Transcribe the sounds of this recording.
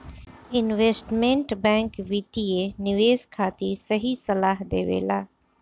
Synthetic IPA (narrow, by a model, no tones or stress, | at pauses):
ɪnʋeːsʈmẽɳʈbɛ̃ːŋkʋiːt̪ienɪʋeːskʰaːt̪isɐɦisɐlaːɦd̪ḛːʋḛːlaː